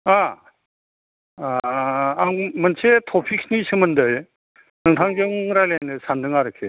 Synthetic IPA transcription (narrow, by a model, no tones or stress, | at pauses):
a | aŋmənt͡ʃʰetʰɔpʰik̚snisʰɯmɯndɯj | nɯŋtʰaŋd͡ʒɯŋɾajlanɯsandɯŋaɾɯkʰe